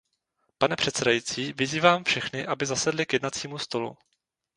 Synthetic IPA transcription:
panɛpr̝̥ɛt̪sɛdajiːt͡siːvɪziːvaːmfʃɛxnɪʔabɪzasɛdlɪkjɛdnat͡siːmust̪o̞lṵ

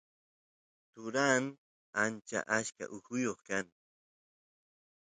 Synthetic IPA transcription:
t̪ʊɾaːn | ant͡ʃa̰ʔaʃka̰ʔʊhʊjoχkaŋ

